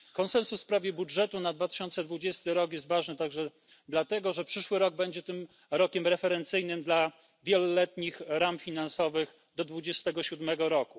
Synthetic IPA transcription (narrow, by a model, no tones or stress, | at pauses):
kɔnsɛnsussːpɾavʲjɛbudʐɛt̪unad̪vat̪ɘ̥ɕɔnt̪sɛd̪vud͡ʑɛst̪ɘɾɔkjɛst̪vaʐnɘt̪aɡʐɛ | d̪lat̪ɛɡɔʐɛpʂɘʂwɘɾɔɡ̚bɛɲd͡ʑɛt̪ɘm | ɾɔkʲɛmɾɛfɛɾɛnt̪sɘjnɘmd̪la | vʲjɛlɔlɛt̪ɲixɾamfʲinansɔvɘx | d̪ɔd̪vud͡ʑɛst̪ɛɡɔɕud̪mɛɡɔɾɔku